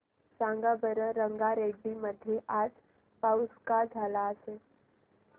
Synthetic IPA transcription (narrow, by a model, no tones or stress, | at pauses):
sãŋɡabəɾəɾəŋɡaɾeɡbiməd̪ʱjeʔaːd͡ʒ | pawskad͡ʒʱaːlaəse